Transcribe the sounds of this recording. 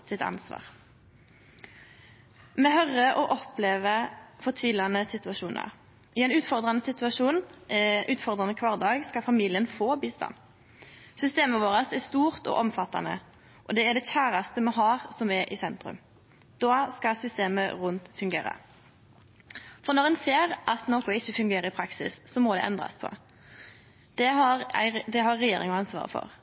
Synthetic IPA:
sɪt̪ɑ̰nsʋɑ̰ːʁ | mɛːɦœʁəʔɔʔɔpleːʋəfɔʁt̪ʰiːlɑnəsɪt̪ʉɑʃuːnɑ̰ʁ | ɪɛɪnʉːt̪fɔʁd̪ʁɑnəsɪt̪ʉɑʃuːnʉːt̪fɔʁd̪ʁɑnəkʰʋɑːʁd̪ɑːɡskɑfɑmiːlɪənfoːbiːst̪ɑ̰n | sʏst̪eːməʋoːʁəsɛst̪uːʁt̪ɔ̰ʔɔmfɑt̪ːɑ̰nə̰ | ʔɔd̪ɛæɖ̪ɛçæːɾɑst̪əmɛɦɑːʁsɔmɛɾʔɪsɛnt̪ɾʉ̰m | d̪̥ɑːskɑsʏst̪eːməʁʉnt̪fʉŋɡḛːʁə̰ | fɔʁnɔʁɛnseːʁʔɑt̪noːkʊɪçːəfʉŋɡeːɾəɪpʰɾɑksɪ̰sːɔmɔd̪ɛ̰ʔɛ̰nd̪ʁɑ̰spʰɔ̰ | d̪̥ɛɦɑɾ̰ɪd̪ɛɦɑʁɛjeːɾɪ̰ŋɑnsʋɑ̰ːʁə̰fɔ̰ʁ

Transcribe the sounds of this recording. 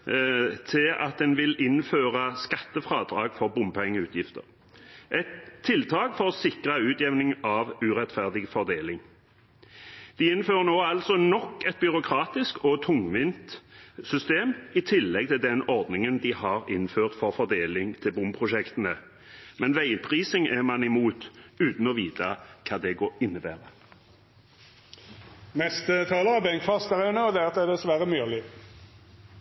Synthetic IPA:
t̪ʰɪɑ̰t̪̚d̪ɛnʋɪlɪnføːʁəskɑt̪ːəfʁɑːd̪ʁɑːɡfɔʁbʊmpʰɔɛŋːəʉːt̪ʰjɪft̪ə̰ʁ | ʔɛt̪ʰːɪlt̪ʰɑːɡfɔʁsɪkʁɑʉːt̪jɛʋnɪŋɑʋʉʁɛt̪fæʁd̪ɪɡfɔʁd̪eːlɪŋ | d̪̥ɪɪnføːʁənoːɑlsɔnɔkːɛt̪̚bʏʁʊkʰɾɑːt̪ɪskɔt̪ʰʊŋʋɪnt̪sʏst̪eːmɪt̪ʰɪlːɛɡ̚t̪ʰɪld̪ɛnɔʁd̪nɪŋənd̪ɪhɑːʁɪnføːʁt̪fɔʁfɔʁd̪eːlɪŋt̪ʰɪlbʊmpʰʁʊʃɛkt̪ənə | mɛnʋæɪpʰʁiːsɪŋʔæmɑnɪmuːt̪ʉːt̪n̩ɔʋiːt̪ɑkʰɑːd̪ɛɡoːɾɪnːəbæːʁə | mɛst̪ət̪ʰɑːləɑbɛŋkfɑst̪əʁænəɔd̪æɑt̪̚d̪ɛʁd̪ɛsʋæɾəmyːlɪ

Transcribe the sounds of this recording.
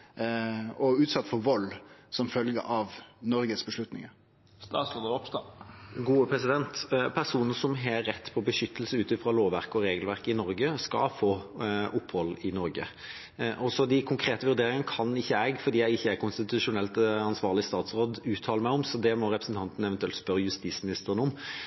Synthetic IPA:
ɔʉːt̪sɑt̪ːfɔɾʋɔlːsɔmfœlɡə̰ʔɑʋnɔɾɡəsbəʂlʉt̪nɪ̰ŋ | st̪ɑːsod̪əɔpst̪ɑɡuːəpʰɾɛsɪd̪ɛnt̪pʰæʁsuːn̩əsɔmɦɛɾɛt̪ːpʰɔbəʂʏt̪ːəlsəʉːt̪ɪfɾɑloːʋʋæʁkɔɾeːɡəlʋæʁkɪnɔɾɡəskɑ̰foːʔʊpːhɔlɪnɔɾɡə̰ | ʔɔsɔd̪ɪkʰʊŋkʰɾeːt̪əʋʉʁd̪eːɾɪŋənəkʰɑnɪçːəɛːɡfɔʁd̪iːjæɪɪçːəækʰʊnst̪ɪt̪ʉʂʊnɛlt̪ɑnsʋɑːʁlɪst̪ɑːt̪sʁoːd̪ʉːt̪ʰɑːləmæɪʊmsɔd̪ɛmɔɾɛpɾəsn̩t̪ɑnt̪n̩ɛʋɛnt̪ʉɛlt̪spœɾːəjʉst̪iːsmɪnɪst̪əʁənəʊm

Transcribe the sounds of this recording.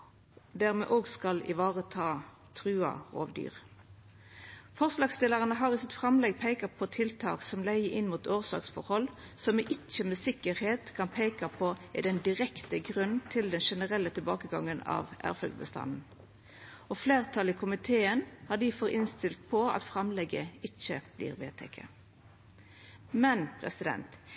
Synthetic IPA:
d̪æʁmɛ̰ʔoːɡskɑlɪ̰ʋɑːʁət̪ʰɑː | t̪ʰʁʉːɑ̰ʁo̰ːʋd̪y̰ːʁ | fɔʁslɑːɡst̪ɪləʁənəɦɑːʁɪsɪt̪fʁɑmlɛɡ̚pʰæɪkɑpʰɔt̪ʰɪlt̪ʰɑ̰ːksɔmlæɪəʔɪnmuːt̪oːʁsɑ̰ːksfɔɾhɔlsɔmɪʔɪt͡ʃːəmɛsɪkəʁheːt̪kʰɑnpʰeɪkɑpʰɔɪd̪ɛnd̪ɪʁɛkt̪əɡʁʉnt̪ʰɪld̪ɛnʂɛnəʁɛlːət̪ʰɪlbɑːkəɡɑŋːənɑ̰ʋʔæ̰ːʁfœ̰ld̪bə̰st̪ɑ̰nn̩ | ɔfleːʁt̪ʰɑlɪkʰʊmɪt̪ʰeːənhɑd̪ɪfɔʁɪnst̪ɪlt̪̚pʰɔɑ̰t̪fʁɑmlɛɡəɪçːəb̥lḭːʁʋḛːt̪ʰɛ̰kʰə̰ | mɛnpʰʁɛ̰sɪd̪ɛ̰nt̪

